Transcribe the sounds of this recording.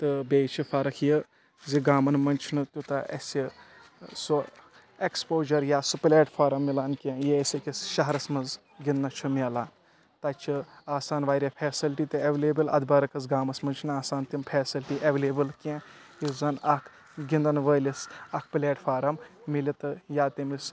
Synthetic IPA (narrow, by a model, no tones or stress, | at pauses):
t̪ɨbeːt͡ʃʰifʰɐɾɐkʰjə | ziɡaːmɐnmɐnʲt͡ʃʰinɨt̪ʲut̪ɐʔɐ̰sʲi | su | ekspoːʒɐɾjaːsuplʲeːʈfaːɾɐmːilaːnkʲẽjeesʲekisʃɐɦɐɾɐsmɐz | ɡind̪nɐt͡ʃʰumʲelaːn | t̪ɐt͡ʃʰiaːsaːnʋaːɾʲɐpʰeːsilʈit̪ɨeʋleːbɨlɐ̰d̪bɐɾɐkɐsɡaːmɐsmɐnt͡ʃʰnaːsaːnt̪impʰeːsilʈiʔeʋeleːbɨlkẽ | jizɐnɐkʰ | ɡind̪ɐnʋəːlʲisɐk̚ʰplʲeːʈfʰaːɾɐmː | ilit̪ɨjaːt̪imis